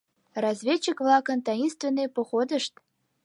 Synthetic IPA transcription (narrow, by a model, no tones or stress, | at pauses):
rɑzvʲet͡ɕːikvlˠɑkə̆nt̪ɑjinst̪vʲenːejpoxod̪əʃt̪